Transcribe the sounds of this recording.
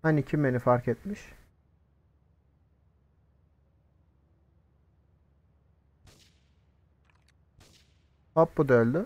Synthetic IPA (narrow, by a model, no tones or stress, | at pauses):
anicʰime̞nifaɾkɛt̪̚miʃ | bapbud̪ølʲd̪y